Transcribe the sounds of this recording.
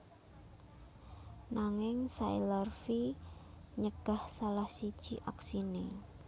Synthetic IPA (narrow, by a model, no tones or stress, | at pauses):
naŋɪŋsailərfi | ɲəɡ̥a̤hsalahsid̥ʒ̥iʔaksine